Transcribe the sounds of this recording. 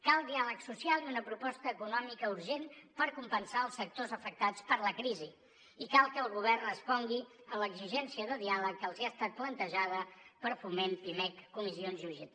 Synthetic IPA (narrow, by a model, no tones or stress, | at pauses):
kalˠd̪ialəksusialˠiunəpɾupɔst̪əːkunɔmikəuɾʒenpəɾkumpənsaəlˠsːək̚t̪ozəfək̚t̪at͡spəɾləkɾizi | ikalˠkəːlˠɣuβ̞ɛrnəspɔŋɡi | ələɡziʒɛnsiəðəðialək̚d̪əlˠziast̪at̪̚plənt̪əʒað̞əpəɾfumempimɛkːumizionzʒuʒi